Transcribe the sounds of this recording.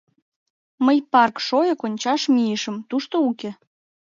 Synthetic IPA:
məjpɑrkʃojɤkonʲt͡ɕɑʃmijəʃə̆mt̪uʃt̪ouke

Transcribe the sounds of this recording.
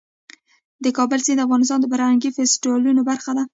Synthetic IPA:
d̪əkɑbəlsind̪əafɣɑnɪs̬t̪ɑnd̪əbaɾaŋɡifesʈiwɑlunobaɾxad̪a

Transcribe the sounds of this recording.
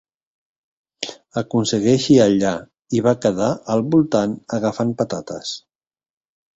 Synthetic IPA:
əkunsəɣɛʃiəʎa | iβakəðaʔəlˠβulˠt̪anəɣəfampət̪at̪ə̰s

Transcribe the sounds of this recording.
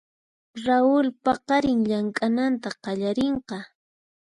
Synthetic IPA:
ɾaʊlpɑqɑɾɪŋʎaŋkʼanant̪aqɑʎaɾeɴqɑ

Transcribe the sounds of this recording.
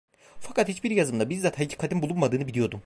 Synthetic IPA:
fakʰat̪hit͡ʃbiɾjazɯmd̪abizd̪at̪ʰhaicʰi̥kʰad̪ɯmbulˠunmad̪ɯːnɯbilʲijo̞d̪um

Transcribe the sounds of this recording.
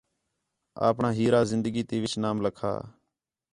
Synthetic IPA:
a̰ːpɳãːɦiːɾaːzɪnd̪əɡiːt̪eːʋɪt͡ʃnaːmləkʰa̰ː

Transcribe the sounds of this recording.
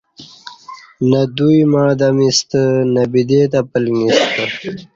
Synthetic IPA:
nad̪ujmad̪amist̪ənabid̪et̪apəlŋist̪ə

